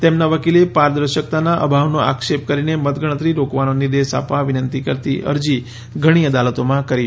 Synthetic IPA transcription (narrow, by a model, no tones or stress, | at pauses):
t̪emnaʋəkilepaɾd̪ɾəɾʃək̚t̪anaʔə̰bʱaʋnoʔa̰kʃep̚kəɾinemət̪ɡʱəɽ̃ət̪ɾiɾokʋanoniɾd̪eʃa̰pʋaʋɪnənt̪ikəɾt̪ḭʔə̰ɾd͡ʒi | ɡʱəɽ̃iəd̪alət̪omãkəɾi